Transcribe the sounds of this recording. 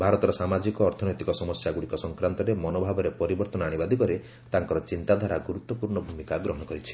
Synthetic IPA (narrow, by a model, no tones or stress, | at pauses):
bʱaɾɔt̪ɔɾɔsamad͡ʒikɔːɾt̪ʰɔnɔjt̪ikɔsɔmɔsjaɡuɽikɔsɔŋkɾant̪ɔɾemɔnobʱabɔɾepɔɾibɔɾt̪ɔnɔaɽ̃ibad̪ʱikɔɾe | t̪aŋkɔɾɔt͡ʃint̪ad̪ʱaɾaɡuɾut̪ːɔpuɾɳɔbʱumikaɡɾɔɦɔɽ̃ɔkɔɾit͡ʃʰi̥